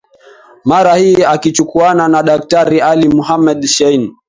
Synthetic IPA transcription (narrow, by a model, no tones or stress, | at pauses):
maɾahiːakit͡ʃukuananaɗak̚taɾialimuɦamɛɗʃɛin